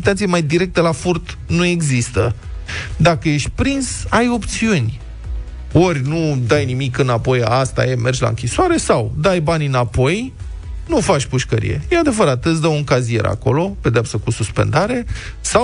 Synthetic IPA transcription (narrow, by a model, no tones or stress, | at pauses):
it̪at̪sijemajd̪iɾe̞k̚t̪əlafurt̪ | nue̞ɡzist̪ə | d̪akəje̞ʃ̚ʲpɾinsajo̞pt̪siunʲ | orʲnud̪ajnimikɨnapo̞jast̪a̰jeme̞rd͡ʒʲla̰ɨŋkʲisoaɾe̞sawd̪ajbanʲɨnapo̞j | nufat͡ʃʲpuʃkəɾḭje̞̰jad̪e̞vəɾat̪ɨsd̪əwuŋkazie̞̰ɾa̰ko̞̰lo̞pe̞d̪eapsakususpe̞̰nd̪aɾe̞ | saw